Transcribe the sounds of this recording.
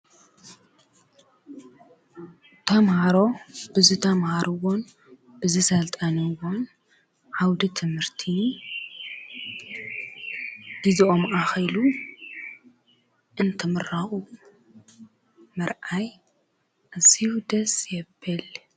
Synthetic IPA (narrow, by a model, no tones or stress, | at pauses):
t̪ʰɐmhaɾo̞b̥ɨzit̪ʰɐmhaɾɨwon | bɨzisɐlt̪ʼanɨwon | ʕawd̪it̪ʰɨmhɨɾt̪ʰi | d̥iziʔomʔaxɐjlu | ʔɨnt̪ʰɨmɨɾaxu | mɐɾʔaj | ʔaziwud̪ɐsjɛbːɐl